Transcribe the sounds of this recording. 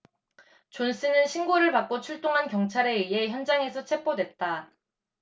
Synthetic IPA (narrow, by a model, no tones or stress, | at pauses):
t͡ɕons͈ʰɯnɯnɕʰinɡoɾɯɭpak͈̚ot͡ɕʰuɭt͈oŋɦankjʌŋt͡ɕʰaɾe̞ɥie̞çjʌnd͡ʑaŋe̞sʰʌt͡ɕʰe̞p͈odwe̞t̚t͈a